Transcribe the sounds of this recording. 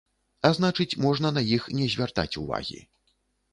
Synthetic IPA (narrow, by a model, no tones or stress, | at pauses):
aznat͡ʂɨt͡sʲmɔʐnɐnɐjixnʲɛzʲvʲart̪a̰t͡sʲuva̰ɣʲḭ